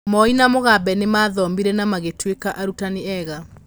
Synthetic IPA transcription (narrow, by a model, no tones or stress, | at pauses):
mɔinamoɣabɛnemaːðɔmbiɾɛnamaɣetwekaʔaɾutaneɛɣa